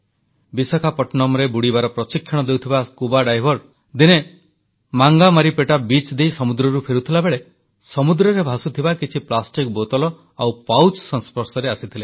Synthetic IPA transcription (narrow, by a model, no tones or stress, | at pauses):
bisɔkʰapɔʈnɔmɾebuɽibaɾɔpɾɔsikʰːjɔɽ̃ɔd̪ewt̪ʰibaskubaɖajbʱɔɾ | d̪ine | maŋɡamaɾipeʈabit͡ʃd̪ejsɔmud̪ɾɔɾupʰeɾut̪ʰilabeɭe | sɔmud̪ɾɔɾebʱasut̪ʰibakit͡ʃʰiplasʈik̚bot̪ɔlɔ | awpawt͡ʃsɔnspɔɾsɔɾeasit̪ʰile